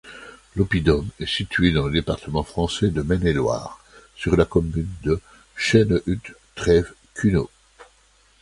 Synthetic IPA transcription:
lɔpid̪ɔmɛsit̪ɥed̪ɑ̃ləd̪epaʁt̪əmɑ̃fχɑ̃sɛd̪əmɛnelwa̰ːʁ | syʁlakɔmynd̪ə | ʃɛnʔyt̪ː | χɛv | kʰʲyno

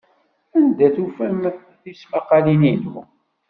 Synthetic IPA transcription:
ænd̪æθufæm | θismɑqɑlininw

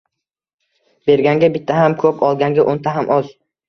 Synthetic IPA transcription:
b̥e̞ɾɡʲaŋɡʲabɪt̪ʰːahamkʰɵpʰɒlˠɡʲaŋɡʲaʔont̪ʰaɦamʔɒz

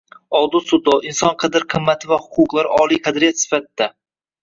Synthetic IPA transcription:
ɒlˠd̪ʊsʊd̪ɒɪnsɒnqʰɑd̪ɪɾqʰɨmːat̪ʰɪvahʊ̥qʰʊqlˠaɾɪʔɒlˠijqʰɑd̪ɾijat̪sɪ̥fat̪ʰɪd̪a

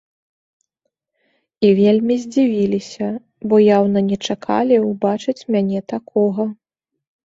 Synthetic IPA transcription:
ivʲelʲmʲizʲd͡zʲivʲilʲisʲɐ | bɔjawnɐnʲɛt͡ʂakʰa̰lʲiwbat͡ʂɨt͡sʲmʲanʲɛt̪akʰɔɣɐ

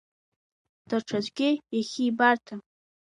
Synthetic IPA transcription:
d̥aʈ͡ʂʰazʷɡʲɪjaχʲiːbartʰa

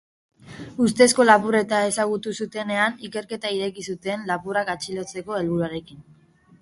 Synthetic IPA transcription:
ust̪e̞sko̞lapure̞t̪ae̞saɣ̞ut̪usut̪e̞ne̞anike̞ɾke̞t̪aiɾe̞kisut̪e̞nlapurakat͡ʃilo̞t͡se̞ko̞e̞lβuɾuaɾe̞kin

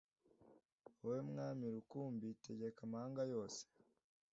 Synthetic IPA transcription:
owemŋaːmiɾukuːmbiteɟe̞kamahaŋɡajo̞ːse̥

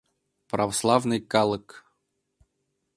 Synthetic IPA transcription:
pɾɐvɐslˠavnɨjkalˠək

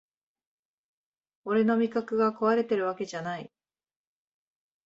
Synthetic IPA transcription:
o̞ɾe̞no̞mʲikakɯ̟ɡako̞βaɾe̞t̪e̞ɾɯ̟βake̞ʑanai

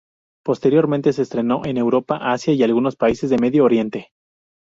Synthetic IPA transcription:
po̞st̪e̞ɾjo̞ɾmẽnt̪e̞se̞ːst̪ɾe̞no̞ʔe̞ne̞wɾo̞paʔasjaialɣuno̞spaise̞zðe̞me̞ðjoːɾje̞nt̪e̞

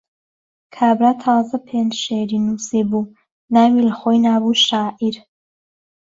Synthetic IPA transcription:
kʰaːbɾat̪ʰɑːzɐpʰeːnd͡ʒʃeːɾiːnusiːbuː | naːmiləxojnaːbuʃaːʔiɾ

